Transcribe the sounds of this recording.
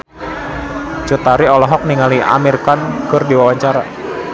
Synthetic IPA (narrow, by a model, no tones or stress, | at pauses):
t͡ʃut̪aɾiɔlɔɦɔk̚niŋalia̰mirkankɨrdiwawaɲt͡ʃaɾa